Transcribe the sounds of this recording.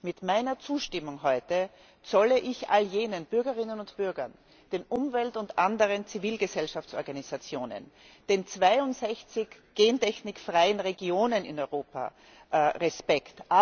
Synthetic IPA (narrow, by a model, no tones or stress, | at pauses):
mɪtmaɪnɐt͡suːʃtɪmʊŋɦɔʏtə | t͡sɔləʔɪçʔa̰ljeːnənb̥ʏɐɡəʁɪnənʊntb̥ʏɐɡɐ̰n | d̥eːnʔʊmvɛltʊntʔandəʁənt͡siviːlɡəzɛlʃaft͡sɔɐɡanizat͡sjoːnə̰n | d̥eːnt͡sv̥aɪʊntz̥ɛçt͡sɪçɡ̥eːntʰɛçnɪkfʁaɪənʁeɡioːnənɪ̰nɔʏʁoːpa̰ | ʁɛspɛkta